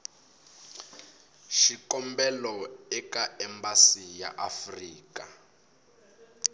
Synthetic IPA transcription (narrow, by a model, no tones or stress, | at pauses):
ʃikɔmbɛlɔɛkaɛmbasija̰ʔafriːka